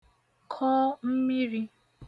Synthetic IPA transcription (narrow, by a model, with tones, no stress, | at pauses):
kʰɔ˦m̩˦mi˦ɾi˦